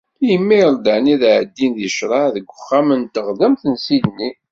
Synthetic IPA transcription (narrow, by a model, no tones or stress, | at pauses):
jəmːiɾˤd̪əʕniðʕəd̪ːinðəʃɾˤɑðəɡʷːʊχːæmənt̪ːəʁðəmθənsidnːi